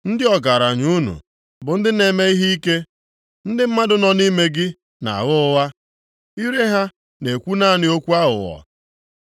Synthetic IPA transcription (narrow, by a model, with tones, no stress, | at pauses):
n̩˦dɪ˦ɔ˨ɡa˨ɾa˨ɲu˦nṵ˨ | bʊ˨n̩˦dɪ˦ne˨me˦i˦ɦi˦i˦ke˦ | n̩˦dɪ˦m̩˦ma˦dʊ˨nɔ˨ni˦me˦ɡɪ˦ | na̰˨ɣʊ˦ʊ˦wa˦ | i˦ɾe˦ɦa˦ | ne˨kʷu˦na˦nɪ˦o˦kʷu˦a˦ɦʊ̰˨ɣɔ̰˨